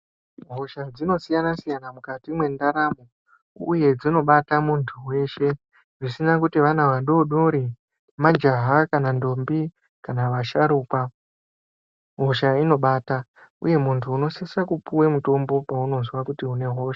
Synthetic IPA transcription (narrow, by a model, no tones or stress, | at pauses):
ɦo̞ʃad͡zino̞sijanasijanamukatimwe̞ndaɾamo | uje̞d͡zino̞ɓatamuntʰuwe̞ʃe̞ | ʐisinakutiʋanaʋaɗo̞ɗo̞ɾi | mad͡ʒaɦakanando̞mbi | kanaʋaʃaɾuːkwa | ɦo̞ʃaino̞ɓaːta | ṵje̞muntʰuːno̞sisakupuwemuto̞mbo̞pauno̞zwakutiune̞ɦo̞ʃa